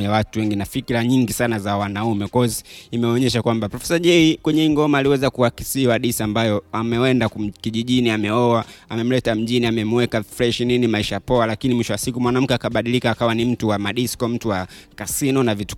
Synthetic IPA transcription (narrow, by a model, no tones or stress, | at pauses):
jawatuwɛŋɡinafikiɾaɲiŋɡisanazawanaumɛkɔzimɛɔɲɛʃakwambapɾɔfɛsaʄɛikwɛɲɛiŋɡɔmaːliwɛzakuaki̥siwaɗisambajɔamɛɛndakkiʄiʄiniamɛɔwaamɛm̩lɛtam̩ʄiniamɛmwɛkafɾɛʃninimaiʃapɔalakinimwiʃɔwasikumwanam̩kɛakaɓaɗilikaːkawanim̩tuwamaɗiskɔm̩tuwakasinɔnavitu̥